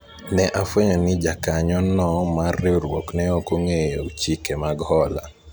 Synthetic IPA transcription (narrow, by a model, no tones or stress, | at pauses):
nɛʔafeɲɔnɪd͡ʒakaɲɔnɔmarːɪuɾwoknɛokoŋejot͡ʃikɛmaɡhɔla̰